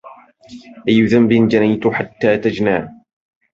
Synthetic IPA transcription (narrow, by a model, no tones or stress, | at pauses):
ʔajːʊðambɪnd͡ʒanajt̪ʊħat̪ːaːt̪ad͡ʒnaː